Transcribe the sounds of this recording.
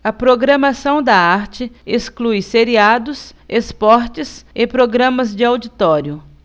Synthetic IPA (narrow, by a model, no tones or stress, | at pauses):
ɐpɾoɡɾɐmasɐ̃w̃d̪ɐaɾt͡ʃɪesklujseɾiad̪ʊsespɔɾt͡ʃɪsɪpɾoɡɾɐ̃mɐzd͡ʒɪawd͡ʒit̪ɔɾjʊ